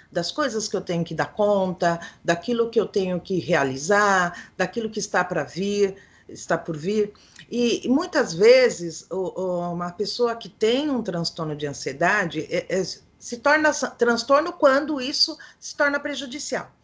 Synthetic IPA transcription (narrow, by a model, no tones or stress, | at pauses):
d̪ɐskojzɐskɪewt̪ẽɲʊkɪd̪aɾkõnt̪ɐd̪akilʊkɪewt̪ẽɲʊkɪhealizaɾd̪akilʊkɪːst̪apɾɐviɾ | ɪst̪apoɾviɾ | ɪmũj̃t̪ɐzvezɪzʊʔumɐpesoɐkɪt̪ẽj̃ũt̪ɾɐ̃st̪oɾnʊd͡ʒɪɐ̃sied̪ad͡ʒɪʔɛʔɛ | sɪt̪ɔɾnɐsɐt̪ɾɐ̃st̪oɾnʊkwɐ̃nd̪ʊisʊsɪ̥t̪ɔɾnɐpɾeʒud͡ʒisia̰w